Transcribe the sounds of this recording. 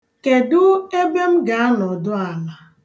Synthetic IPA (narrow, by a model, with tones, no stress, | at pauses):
ke˨dʊ˦e˦be˦m̩˦ɡa˨a˦nɔ˨dʊ˦a˨la˨